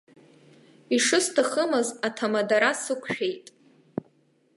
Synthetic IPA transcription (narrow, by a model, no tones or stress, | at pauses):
iʂɨstʰaχəmɨzatʰamadaɾasɨkʷʰʃᶣe̞jtʼ